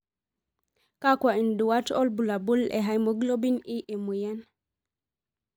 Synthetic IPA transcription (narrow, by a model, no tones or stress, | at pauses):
kakwainduwatɔlbulabulɛ̰ɦajmɔɡlobiniʔɛmujan